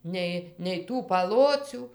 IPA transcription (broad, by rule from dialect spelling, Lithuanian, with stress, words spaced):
ˈnʲɛɪ nʲɛɪ ˈtuː pɐˈlˠoːt͡sʲuː